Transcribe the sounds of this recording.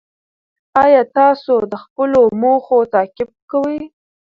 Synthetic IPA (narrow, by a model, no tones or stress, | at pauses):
ɑjɑt̪ɑsod̪əxpəlomoxot̪ɑkɪb̚kawəj